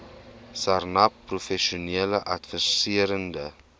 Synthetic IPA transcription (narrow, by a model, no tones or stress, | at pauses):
sarnɐpːrufɛʃioniələʔɐtfəsiəɾəndə